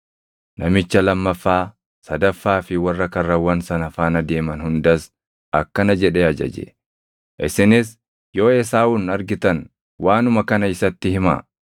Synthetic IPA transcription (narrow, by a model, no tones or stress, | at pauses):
nɐmɪt͡ʃːɐlɐmːɐfːaː | sɐd̪ɐfːaːfɪwɐrːɐkɐrːɐwɐnsɐnɐfaːnɐd̪e̞ːmɐnhʊnd̪ɐs | ɐkːɐnɐd͡ʒɛᶑeɐd͡ʒɐ̰d͡ʒɛ̰ | ʔɪsɪnɪs | jo̞ːɛs̬aːuːnɐɾɡɪt̪ɐn | wʔaːnʊmɐkɐnɐɪsɐt̪ːɪhɪma̰ː